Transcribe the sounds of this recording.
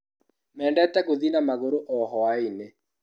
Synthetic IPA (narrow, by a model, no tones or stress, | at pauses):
mɛːndɛtɛkoðinamaɣoɾoʔɔɦɔwaine